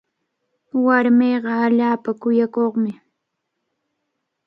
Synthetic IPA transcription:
waɾmejɢɑaʎaːpakʊjakoχmɪ

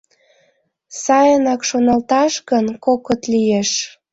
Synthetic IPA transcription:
sɑjənɑkʃonɑlt̪ɑʃɣənkokot̪lijeʃ

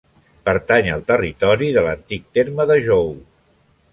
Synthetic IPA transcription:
pəɾt̪aɲəlˠt̪ərit̪ɔɾiðələnt̪ik̚t̪eɾməðəʒow

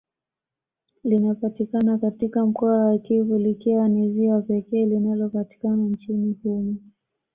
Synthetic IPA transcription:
linapatikanakatikam̩kɔawakivulikiwaniziwapɛkɛːlinalɔpati̥kanant͡ʃinihumu

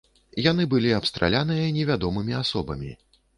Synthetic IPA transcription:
janɨbɨlʲiapst̪ɾʔa̰lʲanɨjɐnʲɛvʲad̪ɔmɨmʲiasɔbɐ̰mʲḭ

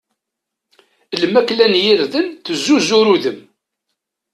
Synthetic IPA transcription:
ləmːækːlænjiɾðənθəzːuzuɾuðəm

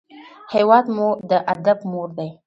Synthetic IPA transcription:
hewɑd̪mud̪əʔad̪abmoɾd̪aj

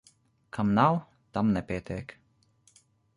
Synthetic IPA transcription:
kʰamnaw | t̪amnɛpʲiɛt̪ʲeːk

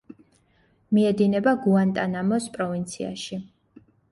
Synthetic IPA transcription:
miɛd̪inɛbaɡuant̪ʼanamɔspʼɾɔvint̪sʰḭa̰ʃi

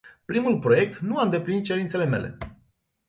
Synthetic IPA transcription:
pɾimulpɾo̞je̞k̚t̪nuaɨnd̪e̞plinit̪̚t͡ʃe̞ɾint̪sele̞me̞̰le̞̰

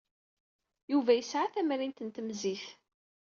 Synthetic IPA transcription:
juvæjəsʕaθæmɾint̪ənt̪əmziθ

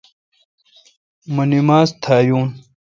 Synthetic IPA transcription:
mɐnimaːst̪ʰaːjuːn

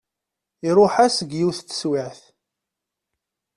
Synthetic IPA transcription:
iɾˤʊħæsəɡjiθt͡sːə̥swɪʕθ

